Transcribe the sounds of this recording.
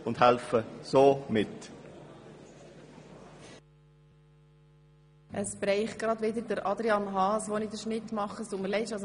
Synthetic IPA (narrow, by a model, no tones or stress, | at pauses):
ʊnd̥hɛlfəsoːmɪt | ʔəsb̥ɾɛɪχ̚ɡ̥ɾɑdʋɪd̪əɾd̥əɾɑd̪ɾiɑnɦɑːsʋɔnid̪əɾʃnɪt̪ːmɑχəsoməlɛɪʃɑs